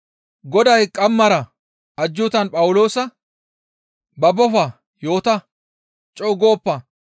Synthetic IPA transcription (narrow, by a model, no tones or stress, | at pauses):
ɡɔd̪ɐjkʼɐmːɐɾɐ | ɐd͡ʒːʊt̪ɐnpʼɐwʊlo̞ːsɐ | bɐbɔfɐ | jo̞ːt̪ɐ | t͡ʃʼɔːɡo̞ːpːɐ